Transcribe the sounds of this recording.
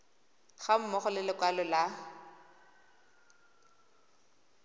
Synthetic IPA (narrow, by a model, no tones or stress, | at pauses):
χam̩mɔχʊlɪlɪkwalɔla